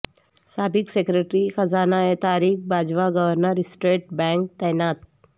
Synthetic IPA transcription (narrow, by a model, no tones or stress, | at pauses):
saːbɪksekɾeʈɾixɐzaːnaet̪aːɾiːxbaːd͡ʒʋaɡəʋəɾnəɾɪsʈɾeːʈ̚bɛ̃ːŋk̚t̪ɛːnaːt̪̚